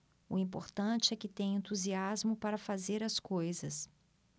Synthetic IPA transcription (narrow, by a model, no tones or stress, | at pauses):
ʊ̰ĩpo̰ɾt̪ɐ̃t͡ʃɪɛkɪt̪ẽj̃ẽnt̪uziazmʊpaɾɐfazeɾɐskojzɐs